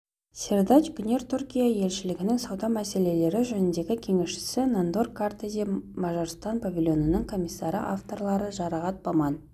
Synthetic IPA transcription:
sʲerd̪ɑt͡ʃɡʲʏnʲe̞ɾt̪ʰʊɾkʲijaje̞lʃɪlɪɡʲɪnɪŋsɑwd̪ɑmæse̞le̞le̞ɾɪʒænɪnd̪e̞ɡʲɪkʲʰe̞ŋe̞ʃʃɪ̥sɪnand̪orkʰːart̪ezʲimɑʒɑɾst̪ɑnpʰavʲilʲˠjo̞nənəŋkʰo̞mʲijsːɑɾə̰ʔaft̪o̞rlˠɑɾəʒɑɾɑʁɑt̪̚bɑmɑn

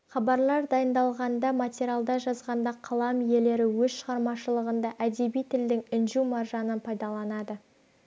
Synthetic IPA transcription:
χɑbɑɾlˠɑɾd̪ɑjənd̪ɑlˠʁɑnd̪ɑmat̪ʲeɾʲialˠd̪ɑʒɑzʁɑnd̪ɑqʰɑlˠɑmje̞le̞ɾɪwɵzʃəʁɑɾmɑʃəlˠəʁənd̪ɑʔæd̪e̞bijt̪ʰɪld̪ɪŋɪnʒumɑrʒɑnənpʰɑjd̪ɑlˠɑnɑd̪ə

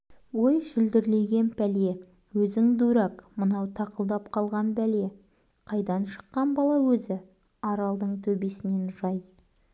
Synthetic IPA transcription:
wo̞jʃʏld̪ɪɾle̞jɡʲe̞npʰæle̞ | wɵzɪŋd̪uɾɑkmənɑwt̪ʰɑqəlˠd̪ɑpqʰɑlˠʁɑnpæle̞ | qʰɑjd̪ɑnʃə̥qːɑnbɑlˠɑwɵzɪ | ɑɾɑlˠd̪əɴt̪ʰɵbe̞sɪne̞nʒɑj

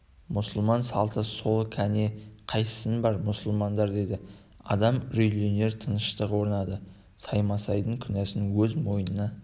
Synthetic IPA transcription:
mʊsəlˠmɑnsɑlˠt̪ʰəso̞lˠkʲʰæne̞qʰɑjsə̥sənbɑɾmʊsəlˠmɑnd̪ɑɾd̪e̞jd̪ɪ | ɑ̰d̪ɑmɾijlione̞ɾt̪ʰənəʃt̪əqwo̞ɾənɑd̪ə | sɑjmɑsɑjd̪əŋkʲʰʏnæsɪnwɵzmo̞jənənɑ

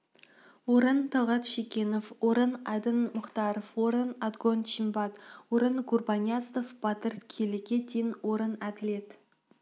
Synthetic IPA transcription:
woɾənt̪ʰɑwʁɑt̪ʃekʲe̞nofwoɾənɑd̪ənmʊχt̪ɑɾofwoɾənɑd̪ɡonʃimbɑt̪woɾənɡurbɑnʲjat̪st̪ofb̥ɑt̪əɾkʲʰelekʲed̪enwoɾənæd̪ɪlet̪

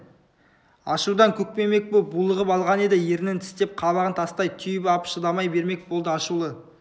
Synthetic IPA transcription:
ɑʃud̪ɑŋkʲʰɵk̚pe̞me̞k̚bobulˠəʁəpɑlˠʁɑne̞d̪ɪje̞ɾɪnɪnt̪ʰɪ̥st̪e̞p̚qʰɑβɑʁənt̪ʰɑst̪ɑjt̪ʰʏjpɑpʃəd̪ɑmɑjbe̞ɾme̞k̚bolˠd̪əɑʃulˠə

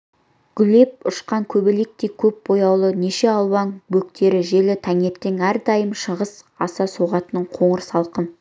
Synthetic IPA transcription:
ɡ̥ʲʏle̞p̚ʊʃqɑŋkʲʰɵbelek̚t̪e̞kʲʰɵp̚bo̞jɑwlˠəne̞ʃe̞ɑlˠwɑŋbɵkt̪ʰe̞ɾɪʒe̞lɪt̪ʰæŋe̞pt̪ɪŋæɾd̪ɑjəmʃəʁəs | ɑsɑsoʁɑt̪ənəɴqʰo̞ɴəɾəsɑlˠqəm

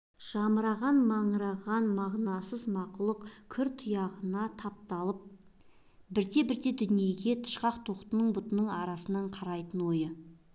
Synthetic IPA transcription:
ʒ̥ɑmɾɑʁɑnmɑɴɾɑʁɑnmɑʁnɑsəzmɑqʊlˠəqkʲʰʏɾt̪ʰʊjɑʁənɑt̪ʰɑp̚t̪ɑlˠəp̚ | bɪɾd̪e̞bɪɾd̪e̞d̪ʏnije̞ɡʲe̞t̪ʰə̥ʃqɑqt̪ʰo̞qt̪ənəɴbʊt̪ənəɴɑɾɑsənɑɴqʰɑɾɑjt̪ənwo̞jə

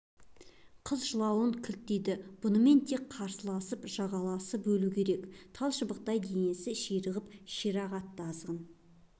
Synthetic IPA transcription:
qʰəzʒəlˠɑwəɴkʲʰʏlt̪ːejd̪ɪb̥ʊnəme̞nt̪ʰe̞kqʰːɑɾsəlˠɑsəpʒ̥ɑʁɑlˠɑsəp̚bɵlukʲʰe̞ɾe̞kt̪ʰɑlˠʃəbəq̚t̪ɑjd̪ejnesɪʃejɾəʁəpʃeɾɑʁɑt̪ːɑzʁən

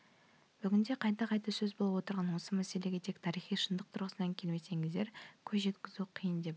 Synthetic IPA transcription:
b̥ʏɡʲɪnd̪e̞qʰɑjt̪ɑqʰɑjt̪ɑsɵzbolˠəpwo̞t̪əɾʁɑnwo̞səmæse̞le̞ɡʲe̞t̪ʰekt̪ʰɑɾijχijʃənd̪əq̚t̪ʰʊɾʁəsənɑŋkʲʰe̞lme̞se̞ŋɪzd̪e̞ɾkʲʰɵzʒe̞t̪kʲɪzuqʰijənd̪e̞p

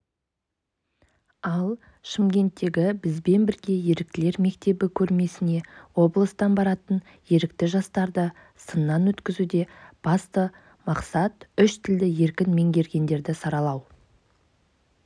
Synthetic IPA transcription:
ɑlˠ | ʃɪmɡʲe̞nt̪ːe̞ɡʲɪbɪzbe̞nbɪɾɡʲe̞je̞ɾɪk̚t̪ɪle̞ɾme̞k̚t̪e̞bɪkʲʰɵɾme̞sɪne̞wo̞blˠəst̪ɑnbɑɾɑt̪ən | je̞ɾɪkt̪ɪʒɑst̪ɑɾd̪ə | sənːɑnwɵt̪kʲɪzud̪e̞b̥ɑst̪ə | mɑqsɑt̪ʏʃt̪ʰɪld̪ɪje̞ɾkʲɪnme̞ŋɡʲe̞ɾɡʲe̞nd̪e̞ɾd̪ɪsɑɾɑlˠɑw

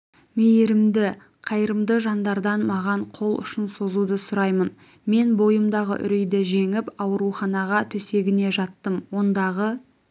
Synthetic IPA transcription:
mejɾɪmd̪ɪ | qʰɑjɾəmd̪əʒɑnd̪ɑɾd̪ɑnmɑʁɑɴqʰo̞lˠʏ̰ʃɪnso̞zud̪əsʊɾɑjmən | me̞nbo̞jəmd̪ɑʁə̰ʔʏ̰ɾejd̪ɪʒe̞ŋɪpɑwəɾuχɑnɑʁɑt̪ʰɵse̞ɡʲɪne̞ʒɑt̪ːəmwo̞nd̪ɑʁə

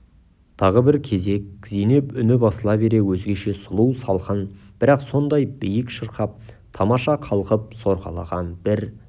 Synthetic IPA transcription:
t̪ʰɑʁəbɪɾkʲʰe̞ze̞k̚zene̞pʏnɪbɑsəlˠɑbe̞ɾe̞wɵzɡʲe̞ʃe̞sʊlˠuwsɑlˠqənb̥ɪɾɑqso̞nd̪ɑjb̥ijəkʃəɾqɑp̚ | t̪ʰɑmɑʃɑqʰɑlˠqəp̚so̞ɾʁɑ̰lˠɑ̰ʁɑnbɪɾ

